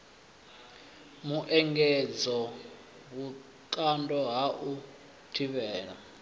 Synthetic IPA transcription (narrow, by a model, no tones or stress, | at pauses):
muʔɛŋɡɛd͡zɔ | βu | ǃandʱʼɔɦaʔu | tʰiβɛːɺa